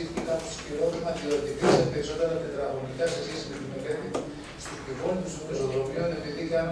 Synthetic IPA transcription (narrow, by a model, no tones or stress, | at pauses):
it̪ikɐposkiɾoθimɐðioɾet̪ipispeɾiso̞t̪eɾɐt̪et̪ɾɐɣonikɐse̞sçe̞sime̞t̪ineɾeni | st̪ipivolit̪usutusot̪opione̞piðikɐn